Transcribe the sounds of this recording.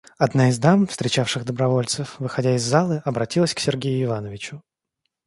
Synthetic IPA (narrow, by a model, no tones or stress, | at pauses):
ɐd̪naɪzd̪amfst̪ɾʲɪt͡ɕafʂɨɣd̪əbɾɐvo̞lʲt̪sɨfvɨxɐdʲæɪzːalˠɨʔɐbɾɐtʲilˠəsʲksʲɪrɡʲejʊɪvanəvʲɪt͡ɕʊ